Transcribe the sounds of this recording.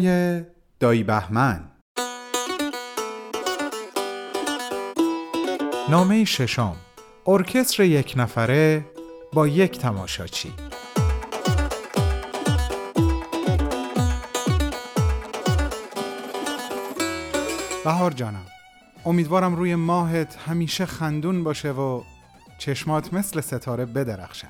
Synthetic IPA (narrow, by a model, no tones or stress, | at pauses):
je | d̪̥ɒːiːbæhmæn | nɒːmejiʃeʃo̰m | oɾcʰe̞st̪ɾejecʰnæfæɾebɒːjecʰt̪ʰæmɒːʃɒ̰ːt͡ʃʰḭː | b̥æɦɒːɾd͡ʒɒːnæm | omiːd̪vɒːɾæmɾuːjemɒːɦet̪ʰhæmiːʃexænd̪uːnbɒːʃevo | t͡ʃʰeʃmɒːt̪ʰme̞sle̞set̪ʰɒːɾe̞be̞d̪eɾæ̰xʃæ̰n